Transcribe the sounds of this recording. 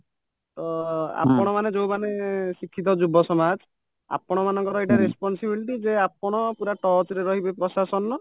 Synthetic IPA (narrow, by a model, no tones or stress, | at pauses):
t̪ɔa̰pɔɽ̃ɔmaned͡ʒowmanesikʰːit̪̬ɔd͡ʒubʱːɔsɔmad͡ʒ | a̰pɔɽ̃ɔmanɔŋkɔɾɔeʈaɾespɔnsibilʈid͡ʒeap̚ɔɽ̃ɔpuɾaʈɔt͡ʃɾeɾɔɦibepɾɔsasɔnːɔ